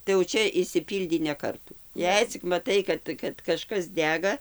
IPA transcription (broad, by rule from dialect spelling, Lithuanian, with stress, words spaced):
tɐɪ jɛʊ ˈt͡ʃʲɛ ɪʃʲsʲɪˈpʲiːlʲdʲiː nʲɛ ˈkɐrtuː ˈjɛɪ t͡sʲɪk mɐˈtɐɪ kɐt kɐt kɐˈʃkɐs ˈdʲæːɡɐ